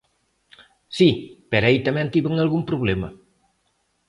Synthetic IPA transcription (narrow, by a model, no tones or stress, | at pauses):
sipeɾjt̪amɛ̃nt̪iβəŋalɣumpɾuβlɛmɐ